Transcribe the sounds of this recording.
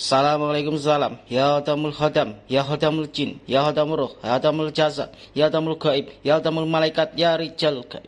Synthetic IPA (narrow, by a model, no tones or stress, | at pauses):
salamalajkʊms̬ala̰mjahod̪amulhɔd̪amjaɦod̪amuld͡ʒinjaɦod̪amuɾʊhjɔd̪amuld͡ʒaza̰ | jad̪amulkaib̚jaɦod̪amulmalaikat̪̚jaɾit͡ʃalka̰